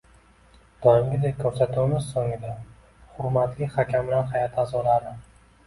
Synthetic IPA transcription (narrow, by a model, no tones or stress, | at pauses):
d̪̥ɒjɪmɡʲɪd̪ekʰɵɾsat̪ʰumɪzsoŋɪd̪a | χʊɾmat̪lɪχakʲʰambɪlanhajat̪ʰazɒlaɾɪ